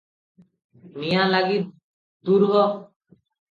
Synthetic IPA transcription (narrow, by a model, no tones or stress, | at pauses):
nijãlaɡi | d̪uɾɡɔ